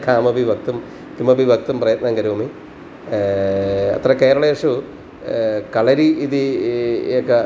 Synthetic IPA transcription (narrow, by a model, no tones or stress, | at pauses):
kʰaːmɐbʱiʋɐkt̪um | t̪imɐbʱiʋɐk̚t̪umprɐjɐt̪̚nɐŋɡɐɾuːmi | ɐ̰t̪rɐke̞ːɾɐɭɐjeʂu | kɐɭɐɾiiði | okːe